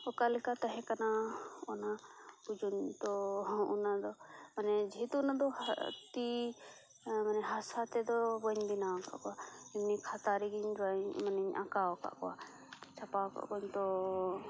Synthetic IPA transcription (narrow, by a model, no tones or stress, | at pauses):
ɔkalɛkat̪aɦɛ̃kanaɔnabud͡ʒunt̪ɔunad̪ɔmanɛd͡ʒit̪uːnad̪ɔhat̪i | manɛɦasat̪ɛd̪ɔbɔɲbinaɔka̰ʔkɔwaimnikʰat̪aɾiɡiɲd͡ʒɔaɲmaniɲʔa̰kaɔka̰ʔkɔwa̰ | t͡ʃʰapawka̰ʔkɔɲt̪ɔ